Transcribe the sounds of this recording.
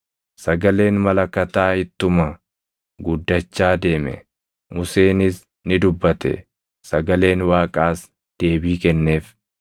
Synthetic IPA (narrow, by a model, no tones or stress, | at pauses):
sɐɡɐle̞ːnmɐlɐkːɐt̪aːhɪt̪ːʊmɐ | ɡʊd̪ːɐt͡ʃːaːd̪e̞ːmɛ̰ | mʊse̞ːnɪs | nɪd̪ʊbːɐt̪ɛ̰ | sɐɡɐle̞ːnwaːkʼaːs | d̪̥e̞ːbiːkɛnːe̞ːf